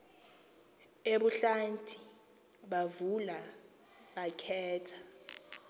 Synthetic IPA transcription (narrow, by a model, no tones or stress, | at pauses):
eɓuɬantʰʼi | ɓavula | ɓakʰɛːtʰḁ